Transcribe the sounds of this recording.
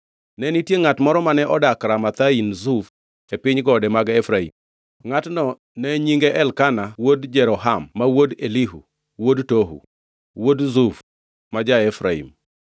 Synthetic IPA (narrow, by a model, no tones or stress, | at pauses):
nɛnitjeŋatmɔɾɔmanɛʔɔdakɾamat̪ainzuf | epɪɲɡɔdɛmaɡɛfɾaḭm | ŋatnɔ | nɛɲiŋɡeʔɛlkanawodd͡ʒɛɾɔɦamːawodeliɦṵ | wodtoɦṵ | wodzuf | mad͡ʒaɛfɾaḭm